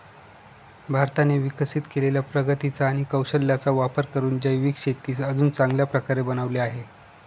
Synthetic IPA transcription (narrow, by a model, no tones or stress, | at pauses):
bʱaɾt̪aneʋikəsit̪keleljapɾəɡət̪it͡saːɽ̃ikəwɕəlːjat͡saʋapəɾkəɾuːnd͡ʑəjʋiːkʂet̪iːsəd͡zuːnt͡saŋɡljapɾəkaɾebənaʋleaɦe